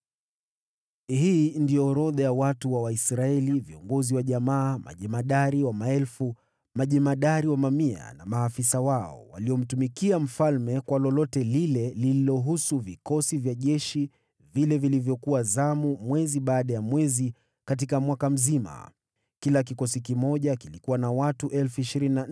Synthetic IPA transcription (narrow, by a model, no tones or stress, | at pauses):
ɦiːndijɔːɾɔðajawatuwawaisɾaɛliviɔŋɡɔziwaʄamaːma̰ʄɛmaɗaɾiwamaɛlfu | maʄɛmaɗaɾiwamamia̰namaːfisawaɔ̰wa̰liɔm̩tumikiam̩falmɛkwalɔlɔtɛlilɛlililɔɦusuvikɔsivjaʄɛʃi | vilɛvilivjɔkuwazamumwɛziɓaːɗajamwɛzi | kat̬ikamwakam̩zima̰ | kilak̬ikɔsikimɔʄakilikuwanawatuʔɛlfuiʃiɾinina